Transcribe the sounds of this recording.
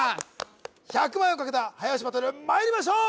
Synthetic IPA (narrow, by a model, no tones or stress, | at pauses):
çakɯmajõŋkaket̪ahajaɕimat̪oɾɯmaiɾʲimaɕ̬o